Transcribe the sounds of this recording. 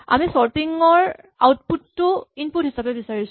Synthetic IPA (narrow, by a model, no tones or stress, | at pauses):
a̰misɔɹtiŋɔɹ | a̰wtputːʊinput̚ɦisapɛbisaɹisʊ